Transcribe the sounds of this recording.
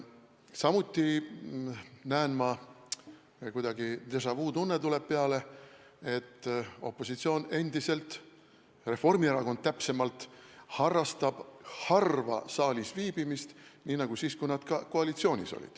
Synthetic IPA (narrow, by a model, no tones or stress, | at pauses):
sɑmut̪ːi | næːnmɑ | kujd̪̥ɑɡit̪e̞s̬ɑvuːt̪unːet̪ule̞b̥̚peɑle̞ | e̞t̪ːo̞̰pːo̞sit̪sio̞ːne̞nd̪̥ise̞lt̪ | re̞fo̞rmieɾɑko̞nd̪̚t̪æpse̞mɑlt̪ˑhɑrːɑst̪ɑb̥hɑrvɑ̰sɑːlʲisviːb̥imist̪niːnɑɡ̥usiːskujnɑd̪̥kɑko̞ɑlʲit̪sio̞ːnʲḭso̞̰lʲḭd̪̥